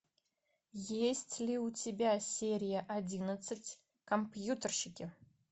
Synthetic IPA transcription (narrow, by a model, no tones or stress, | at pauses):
jesʲtʲlʲɪʊtʲɪbʲasʲeɾʲɪjəʔɐdʲinət̪sɨtʲ | kɐmpjut̪ərɕɪkʲɪ